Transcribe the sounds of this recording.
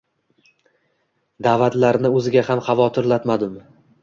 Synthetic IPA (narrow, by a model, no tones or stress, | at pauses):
d̪aːvat̪laɾnɪɵzɪɡʲahamχɑvɒt̪ʰɪɾlat̪mad̪ɪm